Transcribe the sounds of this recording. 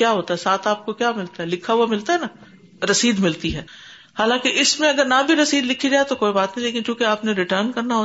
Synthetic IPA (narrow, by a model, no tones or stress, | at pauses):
kjaːɦoːt̪aɦɛsaːt̪ʰaːp̚kokjaːmɪlt̪aɦɛlɪkʰaɦuwamɪlt̪aɦɛnaː | ɾɐsiːd̪mɪlt̪iɦɛː | haːlãːkeʔɪsmẽɐɡəɾnabʱiɾɐsiːd̪lɪkʰid͡ʒaaɛt̪okoːibaːt̪nɐɦileːkɪnkjũːkeaːpneɾɪʈəːɾnkɐɾnaɦoː